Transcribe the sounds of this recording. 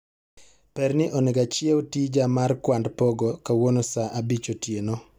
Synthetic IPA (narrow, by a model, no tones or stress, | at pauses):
pɛrnɪʔoneɡat͡ʃjɛwtid͡ʒamarkwandpɔɡɔkawonosaʔabit͡ʃotjeno